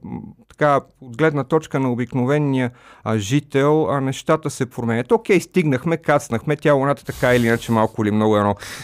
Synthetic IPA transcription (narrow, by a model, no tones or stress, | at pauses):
t̪ɐ̥ka | od̪ɡlɛd̪nət̪ɔt͡ʃkənɐobiknovɛnːijəʒit̪ɛlˠɐnɛʃt̪at̪əsɛpɾomɛnʲɛt̪okɛjst̪iɡnəxmɛkat̪snəxmɛt̪ʲavonat̪ə̥t̪ɐkaɛiliinət͡ʃɛmalˠkʊilimnɔɡʊɛnɔ